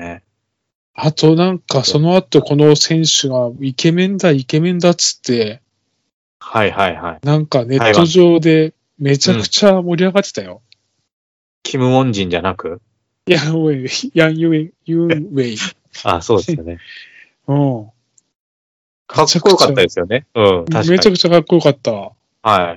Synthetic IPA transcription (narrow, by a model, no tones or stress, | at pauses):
ne | at̪ʰo̞nãŋkaso̞no̞at̪o̞ko̞no̞sẽ̞ɰ̃ɕɨɡaike̞mẽ̞nd̪aike̞mẽ̞nd̪at͡sɨ̥t̪ːe̞ | haihaiha̰inãŋkane̞ːo̞ʑo̞ːd̪e̞ | me̞t͡ɕakɯ̟̥t͡ɕamo̞ɾʲiaɡat̪ːet̪ajo̞ | kʲʰimɯ̟mõ̞ɲ̟d͡ʑĩɲ̟d͡ʑanakɯ̟ | jãwejãjɯjɯwei | aso̞ːd̪eane | ɯ̟̃ | ɡeakt͡ɕakːɯjokat̪ːad̪esɨjo̞neɯ̟̃t̪aɕmet͡ɕakɯ̟̥t͡ɕakakːo̞jo̞kat̪ːa | hai